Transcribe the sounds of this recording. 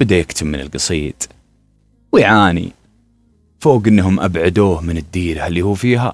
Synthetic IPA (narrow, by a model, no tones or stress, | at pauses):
b̥ɪd̪ajɪkt̪ɪbmɪnɪ̰lɡɨsˤiːt̪ʼˤ | wjʕaːnḭ | foːɡʔɪnːɦʊmʔa̰bʕad̪uːhmɪnɪd̪ːiːɾalːiːhuːfiːɦa̰